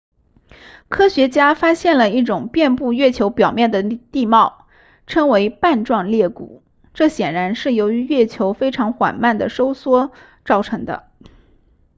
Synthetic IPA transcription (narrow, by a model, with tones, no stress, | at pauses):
kʰɤ˥ɕɥɛ˧˥t͡ɕja˥fa˥ɕjɛ˥˩nlə˩i˥˩ʈ͡ʂʊ˨˩ŋpjɛ˥˧npu˥˧ɥɛ˥˩t͡ɕʰjo˧˥ʊpjɑ˨˩ʊmjɛ˥˩nd̪ə˩t̪i˥˧mɑ˥˩ʊ | ʈ͡ʂʰɤ˥ŋwe˧˥ɪpa˥˧nʈ͡ʂwɑ˥˧ŋljɛ˥˩kṵ˨˩˦ | ʈ͡ʂɤ˥˩ɕjɛ˨˩nɻa˧˥nʂɻ̩˥˩jo˧˥ʊy˧˥ɥɛ˥˩t͡ɕʰjo˧˥ʊfe˥ɪʈ͡ʂʰɑ˧˥ŋxwa̰˨˩nma˥˩nd̪ə˩ʂo˥ʊswɔ˥ | ʈ͡ʂɑ˥˩ʊʈ͡ʂʰɤ˧˥ŋd̪ə̰˧